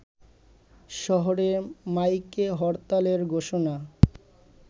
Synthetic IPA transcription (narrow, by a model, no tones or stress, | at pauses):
ʃɔɦoɾemajkeɦɔɾt̪aleɾɡʱoʃona